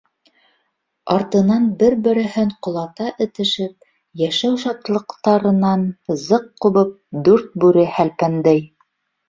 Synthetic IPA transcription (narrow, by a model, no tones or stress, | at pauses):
ɑɾt̪ɤ̆nɑnbɘɾbɘ̆ɾɘ̆ɦɘɴqŏlˠɑt̪ɑʔɘ̆t̪ɘ̆ʃɘp̚ | jæʃæwʃɑt̪lˠɤ̆qt̪ɑɾɤ̆nɑnzɤqːuβɤp̚d̪ʉɾt̪̚bʉɾɘhælpænd̪æj